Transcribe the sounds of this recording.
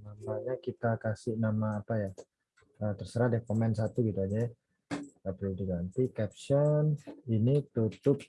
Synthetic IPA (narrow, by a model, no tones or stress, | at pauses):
namaɲakit̪akasɪhnamaːpaja | ət̪ərsəɾahdɛkomɛns̬at̪uɡit̪uad͡ʒɛ | apiudiɡant̪ikɛp̚sɔninit̪ut̪ʊp̚